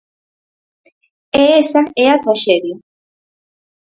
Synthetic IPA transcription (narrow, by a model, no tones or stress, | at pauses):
eesaneak̪aʃeɾi